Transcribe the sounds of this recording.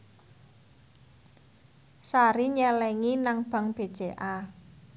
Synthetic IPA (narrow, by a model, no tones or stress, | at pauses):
saɾiɲɛlɛŋinaŋb̥ä̤ŋb̥ed̥ʒ̥e̤ʔa